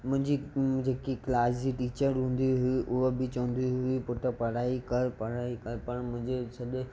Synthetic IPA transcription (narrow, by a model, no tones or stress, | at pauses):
mʊ̃ɦɪ̃ɲd͡ʑid͡ʑeːkiklaːsd͡ʑiʈiːt͡ɕəɾɦũːn̆d̪ijuɦʊiʔʊɦobɪt͡ɕɐʋə̃nd̪ijuɦʊipʊʈəpɐɽ̤aːikɐɾpɐɽ̤aːikɐɾpɐɽmʊ̃ɦɪ̃ɲd͡ʑesɐɗe